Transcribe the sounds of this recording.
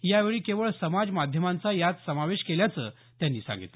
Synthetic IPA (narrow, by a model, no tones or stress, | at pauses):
jaʋeɭiːkeʋəɭsəmad͡zmad̪ʱjəmãnt͡sajat̪səmaʋeɕkeljat͡səː | t̪janːḭːsã̰ŋɡḭt̪lə